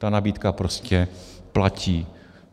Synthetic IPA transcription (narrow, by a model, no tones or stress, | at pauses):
t̪anabiːt̪kapɾoscɛplaciː